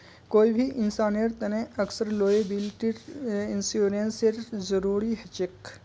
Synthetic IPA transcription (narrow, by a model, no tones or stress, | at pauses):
koːibʱiʔɪnsaːnijəɾt̪ɐnẽʔɐksəɾloːjəbilʈiɾɪnsuːɾənseɾzəɾuːɾiɦɛt͡ʃɪk